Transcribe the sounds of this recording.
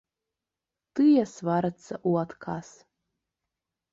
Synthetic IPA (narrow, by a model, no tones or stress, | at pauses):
t̪ɨjasvaɾat͡sʰːaʔuat̪kʰas